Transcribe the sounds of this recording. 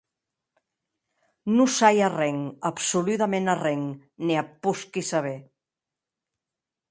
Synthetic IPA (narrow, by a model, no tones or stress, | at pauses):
nusajarɛŋapsulut̪amenarɛŋ | niapuskisaβ̞e